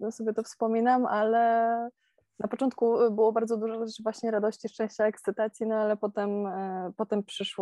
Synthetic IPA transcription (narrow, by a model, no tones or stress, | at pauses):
nɔsɔbʲjɛt̪ɔfspɔmʲinamalɛ | napɔt͡ʂɔnt̪̚kubɘwɔbaɾd̪zɔd̪uʐɔʐɛt͡ʂvwaɕɲɛɾad̪ɔɕt͡ɕiʂt͡ʂɛ̃ɕt͡ɕaɛkt̪sɘt̪at̪sʲjinɔalɛpɔt̪ɛmpɔt̪ɛmpʂɘʂwɔ